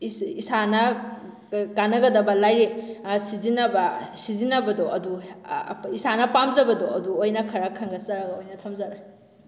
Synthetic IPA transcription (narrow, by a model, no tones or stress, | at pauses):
isanɐ | kanɐɡɐdɐbɐlajɾesizinɐbɐsizinɐbɐdɔʔɐdu | isanɐpamzɐbɐdoɐduojnɐkʰɐɾɐkʰɐŋɡɐsɐɾɐɡɐojnɐtʰɐmzɐɾa